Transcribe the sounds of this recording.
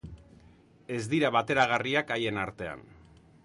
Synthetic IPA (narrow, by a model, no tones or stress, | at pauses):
e̞zd̪iɾaβat̪e̞ɾaɣ̞ariakaje̞naɾt̪e̞a̰n